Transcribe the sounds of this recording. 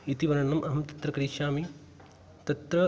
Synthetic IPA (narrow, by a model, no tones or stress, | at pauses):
it̪iʋɐɾɐnɐmʔɐɦɐmt̪ɐt̪ɾɐkɐɾiʃaːmi | t̪ɐt̪ɾɐ